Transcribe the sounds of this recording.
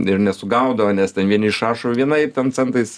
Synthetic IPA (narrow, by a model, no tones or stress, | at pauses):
ɪɾnʲɛsʊɡɐʊd̪ɐʋɐnʲɛstʲɛnʋʲiɛnʲɪɪʃɑːʃoʋʲiɛnɐɪt̪ʲɛnt͡sʲɛnt̪ɐɪs